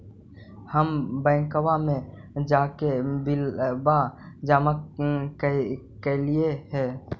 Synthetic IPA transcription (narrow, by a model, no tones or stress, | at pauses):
həmbɛ̃ːŋkəwamẽd͡ʒaːkebɪlbad͡ʒaːmak | kelieɦɛ̃ː